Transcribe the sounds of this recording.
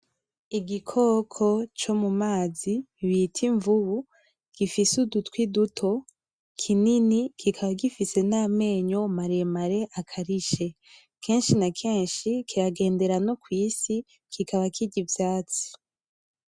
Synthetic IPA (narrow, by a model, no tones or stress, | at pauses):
iɡikʰo̞kʰo̞t͡ʃo̞mumaːziβitʰiɱvuβu | ɡ̥ifisudutwidutʰo̞ | kʰininikʰikʰaβaɡifise̞name̞ːɲo̞maɾemaɾe̞ʔakʰaɾiʃe̞ | kʰe̞ːnʃinakʰe̞ːnʃikʰiɾaɡe̞ːnde̞ɾano̞kwiːsi | kʰikaβakʰiɟivjaːt͡si̥